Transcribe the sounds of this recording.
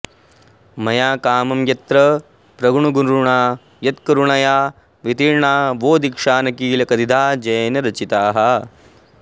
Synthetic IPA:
mɐjaːkaːmɐmjɐt̪ɾɐ | pɾɐɡɳuɡunɾuɳaː | jɐt̪kɐɾuɳɐjaː | ʋit̪iɾɳaːʋoːd̪ikʂaːnɐkiːlɐkɐd̪id̪ʱaːd͡ʒɐːnɐɾɐt͡ʃit̪aːɦɐ

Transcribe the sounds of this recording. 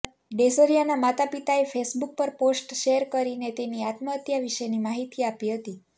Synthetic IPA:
ɖesoɾijanamat̪apit̪aefʰesbuk̚pəɾposʈʃeəɾkəɾinet̪eniat̪məət̪jaʋiʃenimaɦit̪iapiɦət̪i

